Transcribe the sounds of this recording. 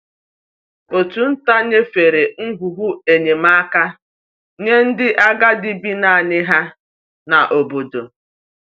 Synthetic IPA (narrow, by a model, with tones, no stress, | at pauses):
o˨tu˨n̩˦ta˦ɲe˦fe˨ɾe˨ŋ̩˦ɡʷu˨ɦu˦e˨ɲe˨ma˦ka˦ | ɲe˦n̩˦dɪ˦ʔa˦ɡa˦di˦bi˦na˨a˨nɪ˦ɦa˦ | na˨ʔo˨bo˨do˨